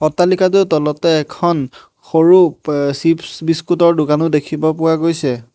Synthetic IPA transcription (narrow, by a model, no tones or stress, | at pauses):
ɔtːalikatʊtɔlɔtɛːkʰɔn | xoɹusipsbiskutɔɹdʊkanʊdekʰibɔpʊwaɡojsɛ